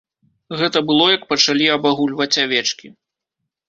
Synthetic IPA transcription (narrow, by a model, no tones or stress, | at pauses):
ɣɛt̪ɐbɨlˠɔjɐkpɐt͡ʂalʲiɐbaɣulʲvɐt͡sʲavʲɛt͡ʂkʲi